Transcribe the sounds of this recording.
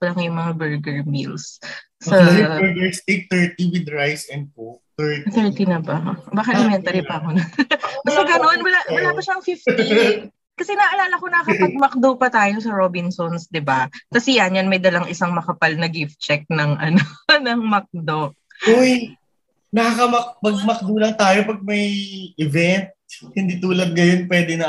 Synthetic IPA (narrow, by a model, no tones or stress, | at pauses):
pɐlɐŋjʊŋmɐŋabɛɹɡɛɹmḭls | sɐɡɛset̪ɛɹt̪iwɪd̪ɹajsɛn̚pot̪ɛɹt̪ɛɹt̪inɐbɐbaːkɪt̪ɐmɛnt̪ɐɾipɐɐkonɐbɐsɛɡɐno̞nwɐlawɐlaːpɐʃaɐŋfift̪t̪i | kɐsɛnɐʔɐlaːlɐkonɐkɐpɐɡ̚mɐk̚d̪opɐt̪aːjosɐɾobɪnsonsd̪ɪbakɐsɪjɐnjanmɐjd̪ɐlɐŋɪsaŋmɐkɐpalnɐɡift̪̚t͡ʃɛk̚nɐŋʔɐ̰nonɐŋmɐk̚d̪o | ʔoj | nɐkɐkɐmɐk̚pɐɡ̚mɐk̚d̪uːlɐŋt̪aːjopɐɡ̚mɐjɪvɛnt̪̚hɪnd̪it̪uːlɐd̪̚ɡɐjonpwɛd̪ɛnɐ